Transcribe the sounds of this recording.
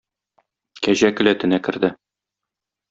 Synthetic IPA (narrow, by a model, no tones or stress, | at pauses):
kæʑækɘ̆læt̪ɘ̆nækɘ̆ɾd̪ɘ